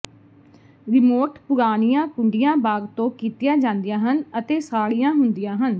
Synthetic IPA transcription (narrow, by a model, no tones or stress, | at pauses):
ɾɪmoːʈpʊɾaːnijãːkʊɳɖɪjãːbaːɡt̪õːkiːt̪ɪjaːd͡ʒãːnd̪ɪjãːɦənət̪eːsaːɽijãːɦʊnd̪ɪjãːɦən